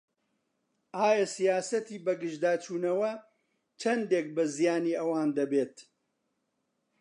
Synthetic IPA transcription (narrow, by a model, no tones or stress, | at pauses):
ʔaːjɐsijaːsɐt̪iːbɐɡɨʒd̪aːt͡ʃuːnɐwɐ | t͡ʃʰɐnd̪eːk̚bɐzijaːniːʔɐwaːnd̪ɐbeːt̪